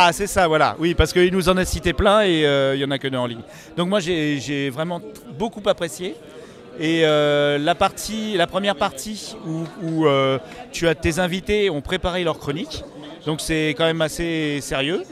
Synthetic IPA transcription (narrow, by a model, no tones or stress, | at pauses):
asɛsavwala̰wipaʁsə̥kəilnuzɑ̃nasit̪eplɛ̃eøjɑ̃nakəd̪əɑ̃liɲ | d̪ɔ̃k̚mwaʒeʒevʁɛmɑ̃ | bokupapχesjeː | ølapaʁt̪ʰilapχəmjɛʁpaʁt̪ʰiuuøt̪yat̪ezɛ̃vit̪eɔ̃pχepaʁelœʁkχɔnik | d̪ɔ̃ksɛkɑ̃mɛmaseseʁjø